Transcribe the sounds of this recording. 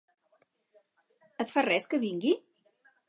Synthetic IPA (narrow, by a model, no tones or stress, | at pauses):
ət̪farɛskəβiŋɡi